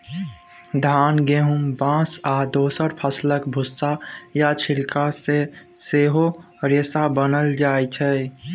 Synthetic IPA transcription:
d̪ʱaːnɡeɦumbãsad̪oːsəɾpʰəsləkbʱʊsːajat͡ʃʰilkaseseɦo | ɾesabənəld͡ʒaːjt͡ʃʰɛ

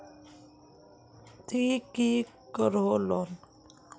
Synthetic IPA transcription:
t̪iki | kəɾɦolon

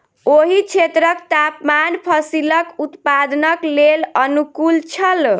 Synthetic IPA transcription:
oɦit͡ʃʰet̪ɾəkt̪apmanpʰəsiləkut̪pad̪nəklelənukult͡ʃʰəl

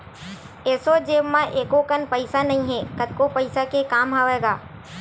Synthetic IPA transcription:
eːsod͡ʒeːʋmãʔeːkokənpəɪsanɐɦĩɦɛ̃kət̪̚kopəɪsakekaːmɦaːʋeːɡaː

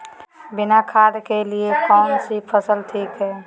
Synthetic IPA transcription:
binakʰad̪keliekɔʊnsipʰəsəlʈʰikɦɛ

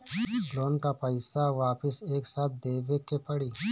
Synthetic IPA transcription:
ɖloːnkapəɪsaʋaːpɪseːksaːt̪̚ʰd̪eːbekepɐɽiː

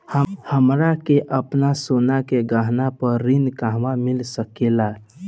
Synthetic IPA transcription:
həhəmɾakeʔəpnasonakeɡaɦnapəɾːinkaɦʋamilsəkela

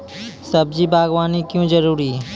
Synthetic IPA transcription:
səb̚d͡ʒiːbʱaːɡʋaːnikjõːd͡ʒəɾuːɾiː

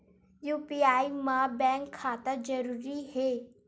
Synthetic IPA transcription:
juːpiaːimãbɛ̃ːŋkʰːaːt̪ad͡ʒəɾuːɾiheː

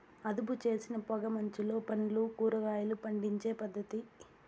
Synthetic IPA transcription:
ɐd̪uput͡ʃe̞ːsinɐpɔɡɐmɐɲt͡ʃilo̞ːpɐɳlukuːɾɐɡaːjɐlupɐɳɖiɲt͡ʃe̞ːpɐd̪ːɐt̪i

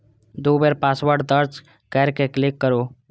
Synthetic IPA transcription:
d̪oːbeɾpaːswəɾɖd̪əɾd͡ʒ | kɛɾkeklɪkːəɾoː

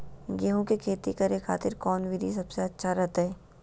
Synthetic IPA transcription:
ɡeɦõkekʰeːt̪ikɐɾekʰa̰ːt̪ɪɾkɔːnʋiɾis̬ɐbseɐtːʃʰaɾɐɦt̪ɦɛː

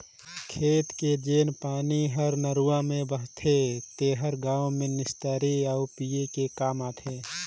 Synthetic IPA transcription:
kʰeːt̪ked͡ʒeːnpaːniɦəɾnəɾuːãmẽbəɦt̪ʰet̪eɦəɾɡãːõmẽnɪst̪əːɾiaʊpijekekaːmaːt̪ʰeː

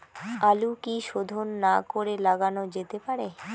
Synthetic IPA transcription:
alukiʃod̪ʱonːakoɾelaɡanod͡ʑet̪epaɾe

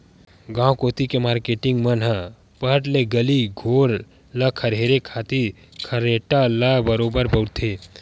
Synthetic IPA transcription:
ɡãːwkoːt̪ikemaːɾkeːʈɪ̃ŋɡmənɦə | pəɦəʈleɡəliɡʱoːɾ | ləkʰəɾɦeːɾekʰaːt̪i | kʰəɾeːʈalabəɾoːbəɾpɐʊt̪ʰe

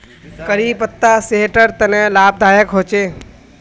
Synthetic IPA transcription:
kəɾiːpət̪ːaːseɦʈəɾt̪ɐnɛːlaːb̚d̪ʱaːjəkɦoːt͡ʃeː

